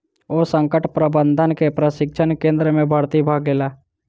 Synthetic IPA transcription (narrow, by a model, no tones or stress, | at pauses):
oːsə̃ŋkəʈpɾəbə̃nd̪ʱənkepɾəʃɪk̚ʃʰənkẽːnd̪ɾəmẽbʱaːɾt̪ibʱaɡeːlaː